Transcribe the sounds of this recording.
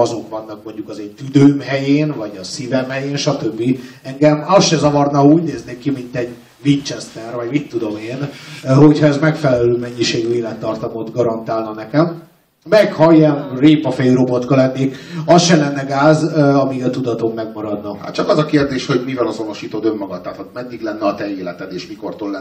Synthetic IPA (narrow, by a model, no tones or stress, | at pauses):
ɒzo̞kʋvɒnːɒk̚mo̞ɲɟukɒzeːnt̪yd̪øːmɦɛjeːnvɒɟɒsivɛmhɛjeːnʃɒt̪ø̞bːi | ɛŋɡɛmɒsʃɛzɒvɒrnɒuːɟneːzneːkimint̪ɛɟ | vint͡ʃɛst̪ɛrvɒɟmit̪ːud̪o̞meːnɦo̞chɒɛzmɛkfɛlɛløːmɛɲːiʃeːɡyeːlɛt̪ːɒrt̪ɒmot̪ɡɒɾɒnt̪aːlnɒnɛkɛm | mɛkhɒiɛnreːpɒfɛjiɾo̞bo̞t̪kɒlɛnːeːkɒsʃɛlɛnːɛɡaːzøɒmiɡɒt̪ud̪ɒt̪o̞mːɛɡmɒɾɒd̪nɒha̰t̪t͡ʃɒkɒzɒkeːrd̪eːʃho̞ɟmivɛlɒzo̞no̞ʃiːt̪od̪ø̞mːɒɡɒt̪aːt̪ɒt̪mɛd̪ːiɡlɛnːɛɒt̪ɛeːlɛt̪ɛd̪eːʃmiko̞rt̪olɛ